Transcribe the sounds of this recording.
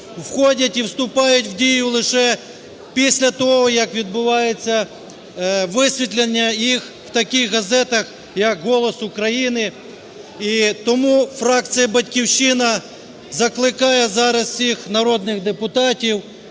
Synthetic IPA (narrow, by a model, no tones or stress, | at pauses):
wxɔdʲɐtʲiwst̪ʊpɑjʊtʲwdʲijʊlˠɪʃɛ | pʲisʲlʲɐt̪ɔɦɔjɐkʋʲid̪̚bʊʋɑjet͡sʲːɐ | ʋɪsʲʋʲit̪ʲlʲenʲːɐjix | wt̪ɐkʲixɦɐzɛt̪ɐx | jɐkɦɔlˠɔsʊkɾɐjinɪ | it̪ɔmufɾɑk̪t͡s̪ɨjɐbɐtʲkʲiwʃɪnɐ | zɐklˠɪkɑjɛzɑɾɐssʲixnɐɾɔd̪nɪɣd̪epʊt̪ɑtʲiw